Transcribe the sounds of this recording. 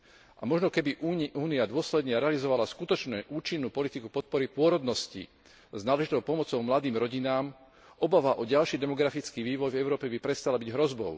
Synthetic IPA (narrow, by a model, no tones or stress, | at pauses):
ʔamɔʒnɔkɛbiʔuʔuːniad̪ʊɔslɛd̪ɲɛɾɛalizɔʋalaskut̪ɔt͡ʃnɛʔuːt͡ʃinːuːpɔlit̪ikupɔt̪̚pɔɾipʊɔɾɔd̪nɔscḭ | znaːlɛʒit̪ɔʊpɔmɔt͡sɔʊmlad̪iːmɾɔɟinaːm | ʔɔbaʋaʔɔɟalʃid̪ɛmɔɡɾafit͡skiːʋiːʋɔjvɛʊɾɔːpɛbipɾɛst̪alabiɟɦɾɔzbɔ̰ʊ